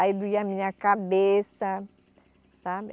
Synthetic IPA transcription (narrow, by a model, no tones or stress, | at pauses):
aid̪uiamĩɲɐkabesɐ | sabɪ